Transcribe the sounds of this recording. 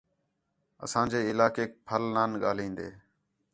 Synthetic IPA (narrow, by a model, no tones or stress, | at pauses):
ə̰sãːd͡ʒeːɪlaːkeːk̚pʰəlnaːnɠaːlĩːnd̪ḛː